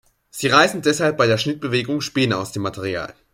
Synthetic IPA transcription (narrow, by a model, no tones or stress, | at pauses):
z̥iːʁaɪzn̩dɛshalp̚b̥aɪdeːɐʃnɪt̚b̥əveːɡʊŋʃpeːna̰ʊsd̥eːmːatʰɛʁ̞ia̰ːl